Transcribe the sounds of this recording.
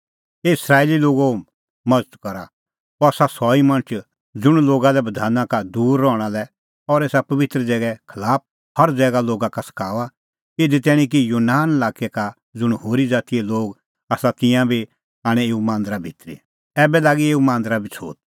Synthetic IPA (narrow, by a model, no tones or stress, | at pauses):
eɪsɾaːeliloːɡo | mɐd͡zət̪kɔɾa | pɔsasɔːimɐ̃nət͡ʃ | d͡zʊɽ̃loːɡalɛbɐd̪ʱaːnãkad̪uːɾːɔːɽ̃alɛ | ɔɾeːsapɐʋɪt̪ɾəd͡zɛːɡɛkʰɐlaːp̚ | hɐɾd͡zɛːɡaloːɡakasɐ̥kʰaːʋa | ɪd̪it̪̬ɛːɽ̃ĩk̬ijoːnaːnlaːkɛka | d͡zʊɽ̃hoːɾid͡zaːt̪ijɛloːɡ | aːsat̪ɪ̃jãbʱi | aːɽ̃ɛeːumãːnd̪ɾabʱɪt̪ɾḭ | ɛːbɛlaːɡieːumãːnd̪ɾabʱit͡sʰo̰ːt̪̚